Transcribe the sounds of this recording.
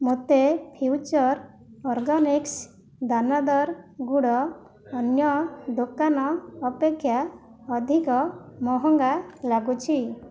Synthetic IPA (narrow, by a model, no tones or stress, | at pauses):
mot̪epʰit͡ʃɔɾ | ɔɾɡɔniks | d̪anad̪ɔɾɡuɽɔː | njɔd̪okanɔːpekʰːjaɔd̪ʱikɔmɔɦɔŋɡalaɡut͡ʃʰi